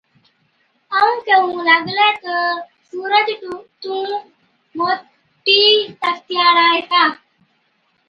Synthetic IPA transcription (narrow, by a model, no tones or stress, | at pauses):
əũːkeũːlaɡletə | suːɾəd͡ʒ̪ʈũt̪ũː | moː | ʈːiːt̪əkt̪jaːɾaːɦet̪aː